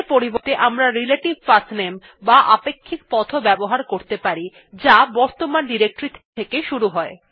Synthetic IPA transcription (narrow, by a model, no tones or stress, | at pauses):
ɾpoɾibot̪eʔamɾaɾileʈibfasnem | baʔapekʰːik̚pɔt̪ʰobɛboɦaɾkoɾt̪epaɾi | d͡ʑabɔɾt̪omanɖiɾek̚ʈɾit̪ʰt̪ʰekeʃuɾuɦɔe